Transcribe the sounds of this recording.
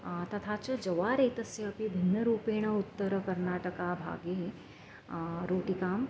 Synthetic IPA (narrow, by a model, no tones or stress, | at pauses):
t̪ɐt̪ʰaːt͡ʃɐd͡ʒɐʋaːɾeːt̪ɐsjɐːpibʱinːɐɾuːpeːɳ̃ɐut̪ːɐɾɐkɐɾnaːʈɐkaːbʱa̰ːɡe | ɾoːʈikaːm